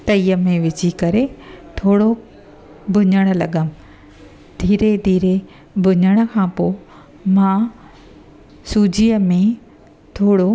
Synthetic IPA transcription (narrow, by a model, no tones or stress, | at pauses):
t̪ɐiːəmẽʋɪd͡ʑikɐɾet̪ʰoːɽo | bʱʊɲəɽ̃̆lɐɠəm | d̪ʱiːɾed̪ʱiːɾe | bʱʊɲəɽ̃ə̆kʰãːpoː | mãː | suːd͡ʑijəmẽ | t̪ʰoːɽo